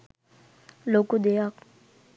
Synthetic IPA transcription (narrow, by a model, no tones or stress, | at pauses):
lokud̪ejak